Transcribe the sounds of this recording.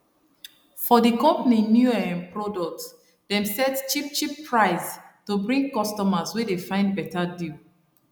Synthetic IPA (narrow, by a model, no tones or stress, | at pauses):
fɔdikɔ̃mpninjuɛɛ̃npɹɔdɔk̚t | dɛ̃msɛtt͡ʃip̚t͡ʃipːɹaɪstubɹĩŋɡ̚kɔstɔmaswedefãɪ̃nd̚bɛtadi